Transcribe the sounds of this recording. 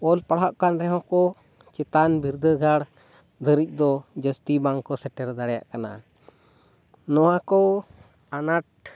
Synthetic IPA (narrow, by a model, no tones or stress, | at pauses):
ɔlpaɽɦaʔkanɾɛɦɔ̃kɔ | t͡ʃɛt̪anbiɾd̪əɡʱaɽ | d̪ʱəɾic̚ˀd̪ɔd͡ʒəst̪ibaŋkɔsɛʈɛɾd̪aɽja̰ʔkana̰ | nɔwakɔ | anaʈ̚